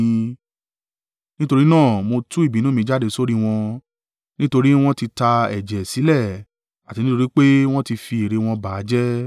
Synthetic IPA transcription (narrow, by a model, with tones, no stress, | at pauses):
nĩ˦to˧ɾi˦nãː˦˨mo˧tũ˦i˦˨bi˨˦nũ˦mĩ˧˦d͡ʒa˦˨de˧so˦ɾi˦w̃ɔ̃˧ | nĩ˦to˧ɾi˦w̃ɔ̃˦ti˧ta˧ɛ̰˨d͡ʒɛ˨si˨˦lɛ˦˨ | a˨ti˧nĩ˦to˧ɾi˦k͡pe˦w̃ɔ̃˦ti˧fi˧e˨ɾe˧w̃ɔ̃˧ba˨˦d͡ʒɛ˦